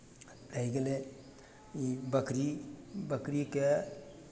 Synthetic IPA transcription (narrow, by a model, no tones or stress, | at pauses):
ɾəiɡele | ibəkɾibəkɾike